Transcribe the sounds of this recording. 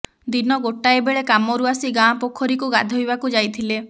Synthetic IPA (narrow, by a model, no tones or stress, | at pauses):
d̪inɔɡoʈaebeɭekamɔɾuasiɡãpokʰɔɾikuɡad̪ʱɔɦjbakud͡ʒajt̪ʰile